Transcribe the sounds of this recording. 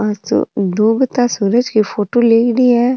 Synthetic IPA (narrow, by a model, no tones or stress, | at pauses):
ɔt̪o̰d̪oːbət̪asuːɾəd͡ʒkifoːʈoːleːkɽiɦɛː